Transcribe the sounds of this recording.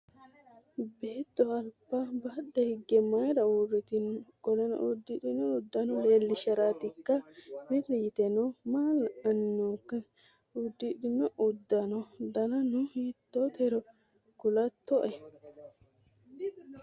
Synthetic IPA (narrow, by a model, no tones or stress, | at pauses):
be̞ːt̪ːɔɐlpːabɐɗːɛhɪɡːɛmɐjɾɐwuɾɪt̪ɪnɡɔlɛnɔ̰ʔud̪ːɪᶑɪnɔʊd̪ːɐnɔleːlːɪʃɐɾaːt̪ɪkːɐmɪɾɪjɪt̪ɛnɔmaːlɐnːokːɐ | ʊd̪ːɪᶑɪnːɔʔʊd̪ːɐnɔd̪ɐnɐnʊhiːt̪ːɔt̪ɛɾɔ | ɡʊlɐt̪ːɔʔɛ